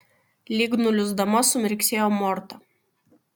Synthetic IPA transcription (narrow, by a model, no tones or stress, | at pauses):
lʲiɡnʊlʲʊzd̪ɐmɐsʊmʲɪɾʲksʲeːjoːmɔɾt̪ɐ